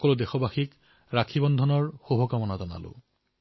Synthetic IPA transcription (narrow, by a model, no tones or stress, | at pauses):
kɔlʊdexɔbaxik | ɹakʰibɔndʱɔnɔɹxobʱɔkamɔnazɔna̰lʊ̰